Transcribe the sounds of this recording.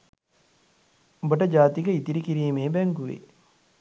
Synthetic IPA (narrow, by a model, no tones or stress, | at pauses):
obəʈəd͡ʒaːt̪ikəit̪iɾikiɾiːmeːbɛŋɡuʋḛ